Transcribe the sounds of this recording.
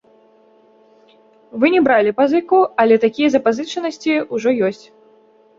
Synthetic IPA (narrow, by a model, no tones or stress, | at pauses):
vɨnʲɛbɾalʲipazɨkuɐlʲɛt̪akʲijɐzɐpazɨt͡ʂɐnɐsʲt͡sʲiuʐɔjɔsʲt͡sʲ